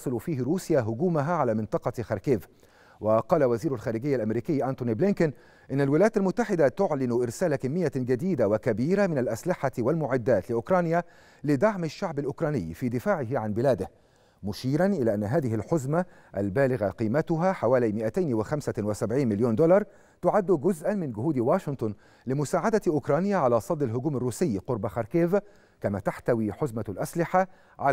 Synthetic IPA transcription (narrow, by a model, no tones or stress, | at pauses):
sˤɨlfiːhɾuːsɪjaːɦʊɡuːmaɦaʕalaːmɪnt̪ˤɑqɑxɑɾˤkeːv | wɑqɑːlawaziːɾʊlxaːɾɪɡɪjːalʔamɾiːkɪjːʔant̪ʊniblɪnkʊn | ʔɪnːalwɪlæjaːt̪almʊt̪ːaħɪd̪at̪ʊʕlɪnʊʔɪɾsaːlakamːɪjːad͡ʒad̪iːd̪awakabiːɾamɪnalʔaslɪħawalmʊʕɪd̪ːaːt̪lɪʔʊkɾˤɑːnja | lɪd̪aʕmaʃːaʕbalʔʊkɾˤɑːnɪ̰jːfiːd̪ɪfaːʕɪɦɪʕanbɪlæːd̪ɪh | mʊʃiːɾanʔɪlaːʔanːaɦaːðɪɦɪlħʊzma | ʔalbaːlɪɣaqiːmat̪ʊɦaħawaːlajmɪʔat̪ajnwɪxamsawɪsabʕiːnmɪljoːnd̪ʊlɑɾˤ | t̪ʊʕad̪ːʊɡʊzʔanmɪnɡʊhuːd̪waːʃɪnt̪ˤʊn | lɪmʊsaːʕad̪aʔʊkɾˤɑːnjaʕalaːsˤɑd̪ˤːɪlɦʊɡuːmarːuːsɪjːqʊɾbaxɑɾˤkeːv | kamaːt̪aħt̪awiːħʊzmalʔaslɪħa | ʕa